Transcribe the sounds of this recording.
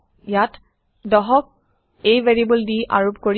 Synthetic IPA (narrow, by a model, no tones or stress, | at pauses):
jat | dɔɦɔk̚ | ejveɹiibɔldiʔa̰ɹopkoɹ